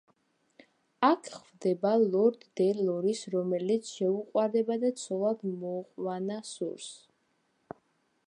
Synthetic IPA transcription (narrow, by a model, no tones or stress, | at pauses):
akʰχvd̪ɛbalˠɔɾd̪ːɛlɔɾisɾɔmɛlit̪sʰʃɛuqʼwaɾd̪ɛbad̪at̪sʰɔlˠad̪mɔːqʼwanasṵɾs